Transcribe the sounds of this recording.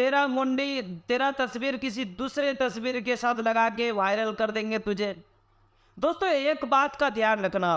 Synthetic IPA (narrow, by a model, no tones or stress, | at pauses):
t̪eːɾamoɳɖit̪eːɾat̪əsbiːɾkɪs̬id̪uːsɾet̪ɐsbiːɾkesat̪ʰləɡakeʋaːɪɾəlkəɾd̪ẽːŋɡet̪ʊd͡ʒʱe | d̪oːst̪oeːkbaːt̪kat̪ijaːɾləkʰnaɦo